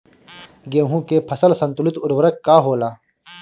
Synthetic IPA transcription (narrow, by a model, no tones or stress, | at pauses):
ɡeːɦũːkepʰɐsɐlsɐnt̪ulit̪uɾwɐɾɐkːaːɦoːlaː